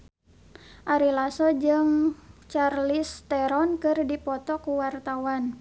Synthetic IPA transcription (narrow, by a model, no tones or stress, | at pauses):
ʔaɾilasɔd͡ʒɨŋt͡ʃarlist̪ɛɾɔnkɨrdipɔt̪ɔkuwart̪awan